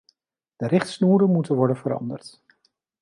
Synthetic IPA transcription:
d̥ərɪχtsnuːɾənmutənʋɔɹdənvəɾɑ̰ndərt

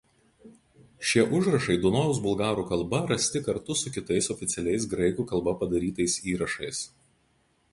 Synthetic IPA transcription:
ʃʲiɛʔʊʒɾɐʃɐɪd̪ʊnɔʋʊs̬bʊlˠɡɑːɾuːkɐlˠbɐɾɐsʲt̪ʲɪkɐɾt̪ʊsʊkʲɪt̪ɐɪsɔfʲɪt̪sʲɛlʲɛɪs̬ɡɾɐɪkuːkɐlˠbɐpɐd̪ɐɾʲiːt̪ɐɪsiːɾɐʃɐɪs

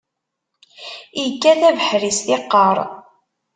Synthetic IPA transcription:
ikːæθævəħɾisθɪqːəɾˤ

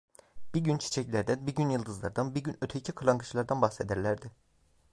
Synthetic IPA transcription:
b̥iɾɟynt͡ʃʰi̥t͡ʃʰɛclʲæɾd̪ænbiɾɟynjɯlˠd̪ɯzlˠaɾd̪anbiɾɟynøt̪ʰecʰikʰɯlˠaŋɡɯt͡ʃlˠaɾd̪anbaxsed̪æɾlʲæɾd̪ɪ

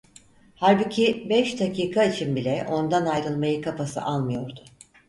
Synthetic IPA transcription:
haɾbucʰibɛʃd̪acʰiːkʰait͡ʃʰinbilʲɛʔo̞nd̪anajɾɯlˠmajɯkʰapasɯ̰ʔalˠmɯjo̞ɾd̪ʊ

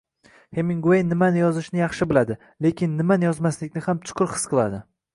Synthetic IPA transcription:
hemɪŋɡuejnɪmanɪjɒzɪʃnɪjɑχʃɪbɪlad̪ɪ | le̞kʲʰɪnːɪmanɪjɒzmaslɪkʲnɪhamt͡ʃʰʊ̥qʰʊɾhɨ̥sqʰɨlˠad̪ɪ

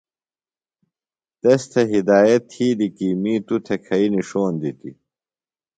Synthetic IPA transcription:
t̪ɐst̪ʰɐɦid̪aːjɐt̪ʰːiːlikimiːt̪ut̪ʰekʰɐiniʂoːnd̪it̪ḭ

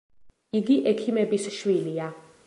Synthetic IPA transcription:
iɡiʔɛkʰimɛbisʃwilia

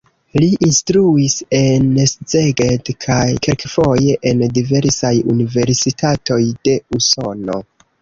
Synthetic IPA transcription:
liʔinstɾuise̞nszeɡedkʰajke̞lkefo̞je̞ʔendive̞ɾsajṵnive̞ɾsitʰato̞jde̞uso̞no̞̰

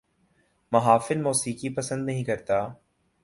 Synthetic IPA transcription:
mɐɦaːfɪlmoːsiːkipɐsə̃nd̪nɐɦĩkɐɾt̪aː

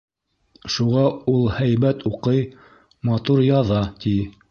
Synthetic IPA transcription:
ʃuʁɑulˠhæjbæt̪uqɤj | mɑt̪uɾjɑðɑt̪i

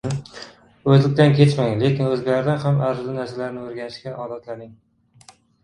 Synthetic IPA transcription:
ɵzlɪkʲt̪ankʲʰe̞t͡ʃmaŋle̞kʲɪnɵzɡʲalaɾd̪anhamaɾzlɪnaɾsalaɾnɪɵɾɡʲanɪʃkʲaʔɒːd̪at̪laɾnɪŋ

